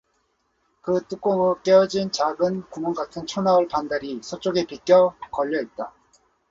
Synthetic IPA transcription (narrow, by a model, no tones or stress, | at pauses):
kɯt͈uk͈oŋɯk͈eʌd͡ʑint͡ɕaɡɯnkumʌnɡatʰɯnt͡ɕʰonaɯɭpandaɾisʰot͡ɕ͈oɡe̞pik͈jʌkʌʎːʌit̚t͈a